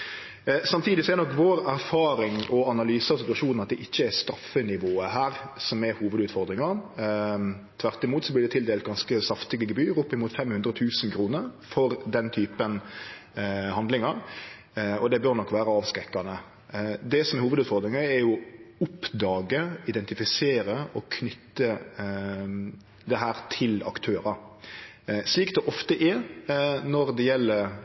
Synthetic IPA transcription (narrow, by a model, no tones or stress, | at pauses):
sɑmt̪ʰiːd̪ɪsɔɛɾnɔkːʋoːɾæɾfɑːɾɪŋɔɑnɑlyːsɑsɪt̪ʉɑʃuːnn̩ɑt̪̚d̪ɛʔɪçːəɛɾst̪ɾɑfːənɪʋoːəɦæːɾsɔmɛhuːʋəd̪ʉːt̪fɔɾd̪ɾɪŋɑɾ | t̪ʰʋæɾt̪ɪmuːt̪sɔblɪd̪ɛt̪ʰɪld̪eːlt̪̚ɡɑnskəsɑft̪ɪɡəɡəbyːɾʊpːɪmuːt̪fɛmhʉnd̪ɾəɔt̪ʰʉːsnkʰɾuːnəɾfɔɾd̪ɛnt̪ʰyːpən | hɑnd̪lɪŋɑɾ | ɔd̪ɛbøɾnɔkːʋæːɾəɑːʋskɾɛkːɑnə | d̪ɛsɔmɛɾhuːʋəd̪ʉːt̪fɔɾd̪ɾɪŋəɛɾjʊʊpd̪ɑːɡəɪd̪ɛnt̪ɪfɪseːɾəɔkʰnʏt̪ːə | d̪ɛɦæːɾt̪ʰɪlɑ̰kt̪ʰøːɾɑɾ | sliːkd̪ɛʔɔft̪əʔɛ | nɔɾd̪ɛjɛlːəɾ